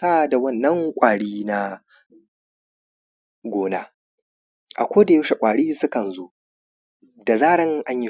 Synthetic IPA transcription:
aː˦da˨wɐ˦˨nːɐ˦ŋkʷʼaː˨ɽiː˦na˦ | ɡʷoː˦naː˦ | ʔa̰˨kʷoː˦da˨e˦ʃe˨kʷʼaː˨ɽiː˦sʊ˦kɐ˨nzoː˦ | da˨zaː˦ɽɪ˦ŋʔa˦ɲji˦

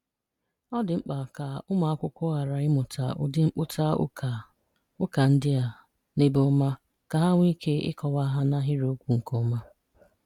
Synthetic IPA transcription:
ɔ˦dɪ˨ŋ͡m̩˦k͡pa˨ka˨ʊ˦ma˨a˦kʷʊ˦kʷʊ˦a˨ɾa˨ɪ˦mʊ˨tʰa̰˨ʊ̰˦dɪ˦ŋ͡m̩˦k͡pʊ˦tʰa̰˦˨ | ʊ˦ka˨n̩˦dɪ˦a˨ | nɪ˦bo˦ma˦ | ka˨ɦa˦ŋʷ˦i˦kʰe˦ɪ̰˦kɔ˨wa˦ɦa˦na˦ɦɪ˦ɾo˦kʷu˨ŋ̩˨ko˦ma˦

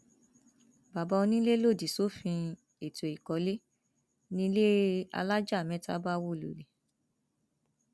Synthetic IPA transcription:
ba˨ba˧o˧nĩ˦le˦lo˦˨di˨so˦fĩ˧ | e˨to˨i˨kɔ˨˦le˦ | nĩ˧˦le˦a̰˧la˦d͡ʒa˦˨mɛ̃˦ta̰˦ba˦wo˦˨lo̰˨le˨

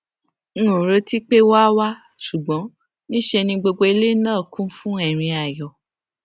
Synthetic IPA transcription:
nũ˨ɾo˧ti˦k͡pe˦wa˦wa˦ | ʃu˨ɡ͡bɔ̃˨˦ | nĩ˦ʃe˧nĩ˧ɡ͡bo˧ɡ͡bo˧e˧le˦nãː˦˨kũ˦fũ˦ɛ˦˨ɾ̃ĩ˧a˨jɔ˨

